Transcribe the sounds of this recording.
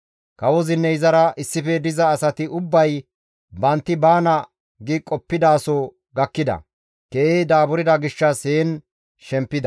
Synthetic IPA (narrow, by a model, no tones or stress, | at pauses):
kɐwɔzɪnːɛɪzɐɾɐʔɪsːɪfɛd̪ɪzɐːsɐt̪ɪʊbːɐj | bɐnt̪ːɪbaːnɐ | ɡɪkʼɔpːɪd̪aːsɔ | ɡɐkːɪd̪ɐ̰ | keːejd̪aːbʊɾɪd̪ɐɡɪʃːɐseːn | ʃɛmpːɪd̪ɐ